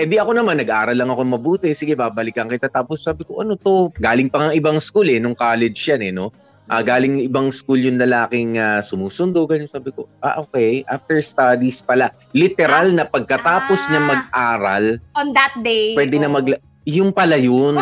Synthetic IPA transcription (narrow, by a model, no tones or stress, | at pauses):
ʔɛnd̪iʔɐko̞nɐmanːɐɡ̚ʔaːɾɐlːɐŋɐkoŋmɐbuːt̪ɛsɪɡɛbabɐlɪkɐŋkɐjt̪at̪aːposːaːbɪkoʔɐnot̪o̞ɡaːlɪŋpɐŋɐŋɪbaŋskulɛnʊŋkaːlɛd͡ʒjanɛno̞ | ʔaɡaːlɪŋʔɪbaŋskuljʊnlɐlaːkɪŋasʊmuːsʊnd̪oɡɐnonsaːbɪko̞ʔaʔoːkɛjʔa̰ft̪ɛɹst̪ad̪ispɐla | lɪt̪ɛɾalnɐpɐɡ̚kɐt̪aːpo̞snɐmɐɡ̚ʔaːɾɐlɔnd̪ɐt̪̚d̪ejwɛd̪ɪnɐmɐɡl | jʊŋpɐlajon